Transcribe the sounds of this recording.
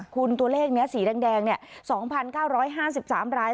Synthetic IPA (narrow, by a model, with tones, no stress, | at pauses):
kʰu˧nt̪u˧ɐleː˥˩k̚ni˦˥ɐsiː˩˦dɛː˧ŋdɛː˧ŋni˥˩ɐsɔː˩˦ŋpʰa˧nkaː˥˩wɾɔː˦˥jɦaː˥˩si˨˩p̚saː˩˦mɾaː˦˥